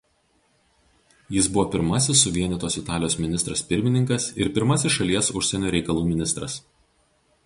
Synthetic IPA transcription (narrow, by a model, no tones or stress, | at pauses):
jɪsbʊʋoːpʲɪɾmɐsʲɪsːʊʋʲiɛnʲɛt̪oːsɪt̪ɑːlʲɪjoːsmʲɪnʲɪst̪ɾɐspʲɪɾʲmʲɪnʲɪŋkɐsɪɾpʲɪɾmɐsʲɪsʃɐlʲiɛsʊʃʲsʲɛnʲoːɾʲɛɪkɐlˠuːmʲɪnʲɪst̪ɾɐs